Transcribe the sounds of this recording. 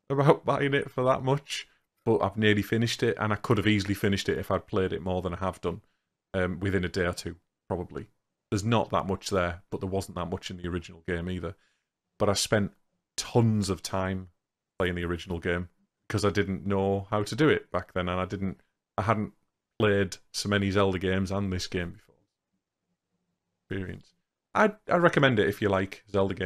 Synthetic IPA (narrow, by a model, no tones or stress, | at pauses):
əbaʊʔb̥aɪɪ̃ŋɪtfəðə̰ʔmʊt͡ʃ | b̥ʌʔa̰ɪvnɪəlˠifɪnɪʃtɪtə̰̃ñaɪkʰʊɾəviːzəl̩ˠifɪ̃nɪʃtɪtɪfaɪd̚pʰl̥eɪɾɪ̰ʔmɔːðə̃ñaɪəvdʌ̃n | ʌ̃mwɪðɪ̃nɨdeɪə˞tʰʉː | pʰɹ̥ɒbəblḭ | ðəznə̰ʔðə̰ʔmʊt͡ʃðə˞b̥ʌʔ̪̚ðəwɒzn̩ðəʔmʊt͡ʃɪ̃nðiəɹɪd͡ʒɨn̩l̩ˠɡẽɪ̃miːðə | b̥ʌɾaɪ̥spɛ̃n | tʰʌ̃nzəv̥tʰãɪ̃m | pʰl̥eɪɪ̃ŋðiəɹɪd͡ʒn̩l̩ˠɡẽɪ̃m | b̥ɪkʰʌzaɪdɪdⁿn̩noʊhaʊtədɨɪʔ̚b̥ak̚ðə̃nə̃naɪdɪdⁿn̩t | aɪɦadⁿn̩ʔ | pʰl̥eɪd̥soʊmɛnizɛlˠdəɡẽɪ̃mzə̃nðɪsɡ̥ẽɪ̃mbɪfɔɹ | kspɪːɹiə̰̃ns | ʔa̰ɪa̰ɪɹɛkəmɛ̃ndɪɾɪfjəlaɪkzɛlˠdəɡẽ